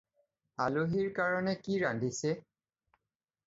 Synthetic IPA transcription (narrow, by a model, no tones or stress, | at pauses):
aloɦiɹkaɹɔnɛkiɹandisɛ